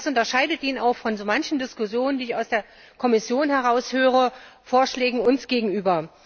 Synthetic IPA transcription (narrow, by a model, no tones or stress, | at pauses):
sʔʊntɐʃaɪdətʔiːnənaʊxfɔnzoːmançn̩dɪskʊsjoːnəndiːɪçaʊsd̥eːɐ | kʰɔmɪsjoːnhɛʁaʊshøːʁ̞əfoːɐʃlɛːɡŋ̩ʊnsɡ̥eːɡŋ̩ʔyːbɐ